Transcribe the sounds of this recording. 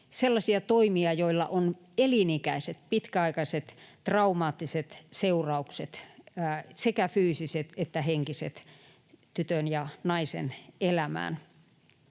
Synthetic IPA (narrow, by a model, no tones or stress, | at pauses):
selːɑsiɑt̪oimiɑjoilːɑ̰ʔon | elinikæiset̪̚pit̪kæɑikɑiset̪t̪rɑumɑːt̪ːiset̪seurɑukset̪ː | sekæfyːsiset̪et̪ːæheŋkisḛt̪ | t̪yt̪ønjɑnɑisḛnelæmæ̰ːn